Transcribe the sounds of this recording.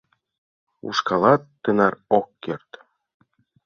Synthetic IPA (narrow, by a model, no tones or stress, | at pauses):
ṵʃkɑlˠɑt̪ːɤnɑɾokːert̪